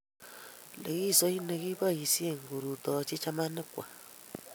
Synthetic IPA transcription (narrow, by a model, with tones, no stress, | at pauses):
le˨ki˦˨so˦i˦ne˨ki˦ba˦˨ji˨sje˦˨ŋ˨ɡu˨ɾu˨tɔ˨t͡ʃi˦t͡ʃa˦ma˦nɪ˦kʷwa̰˨